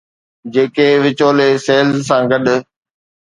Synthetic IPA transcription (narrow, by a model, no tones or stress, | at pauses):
d͡ʑeːkeʋɪt͡ɕoːleseːlzsãːɡɐɗʊ